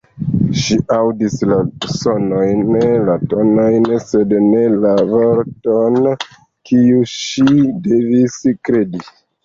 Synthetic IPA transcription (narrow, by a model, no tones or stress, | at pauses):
ʃiʔawdislasonojnlatonojnse̞dne̞lavoɾton | kʰiuʃideviskɾedi